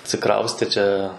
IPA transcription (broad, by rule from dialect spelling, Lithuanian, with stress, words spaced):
ɐtʲsʲɪˈkrɐʊsʲtʲeː ˈt͡ʃʲɛ